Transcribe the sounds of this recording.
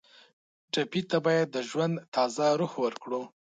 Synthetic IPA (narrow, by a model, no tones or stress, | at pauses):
ʈapit̪abɑjad̪ːəʒwand̪t̪ʰɑzaɾuhwəɾkɽu